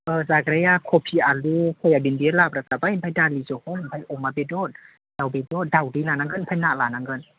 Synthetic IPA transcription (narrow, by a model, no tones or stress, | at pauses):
ʔɯːzaɡɾajakʰopʰialukʰojabinbilapɾatabajnpʰajdalizohɔmpʰajʔomabedot̪̚ | d̥awbedot̪̚dawdilanaŋɡɯnpʰajnaʔlaːnaŋɡɯn